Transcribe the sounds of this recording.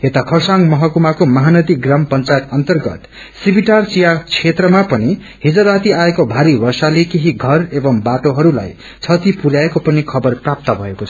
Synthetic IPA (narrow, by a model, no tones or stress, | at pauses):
et̪akʰʌrsaŋɡmʌɦʌkumakomaɦanʌd̪iɡrampʌnt͡sajet̪ʌnt̪ʌrɡʌ̰t̪ | sibiʈart͡sijat͡sʰet̪rʌmapʌni | ɦid͡zʌɾat̪iaekobʱaɾibʌrsalekeɦiɡʱʌrebʌmbaʈoɦʌɾula̰j | t͡sʰʌt̪ipuɾjaekopʌnikʰʌbʌrprap̚t̪ʌbʱʌekot͡sʰʌ